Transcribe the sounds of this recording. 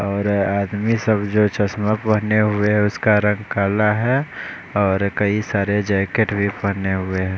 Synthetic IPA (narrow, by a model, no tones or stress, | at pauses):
ɔːɾaːd̪misəbd͡ʒot͡ʃəsmapəɦneɦʊeɦɛʊskaɾə̃ŋɡkaːlaɦɛ | ɔːɾkəisaːɾed͡ʒaɪkeʈbʱipəɦneɦʊeɦɛ̃ː